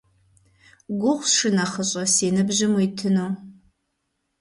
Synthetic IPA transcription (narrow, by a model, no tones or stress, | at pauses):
ɡʷʊχʷsʂɨnɐχəɕʼɐsiːnɨbʑɪmujtʰɨnoː